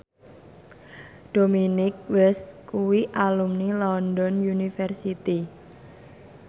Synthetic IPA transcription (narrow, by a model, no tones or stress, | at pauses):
d̥ominɪk̚wɛskuwiʔalumnilɔndɔnjunifɛrsit̪i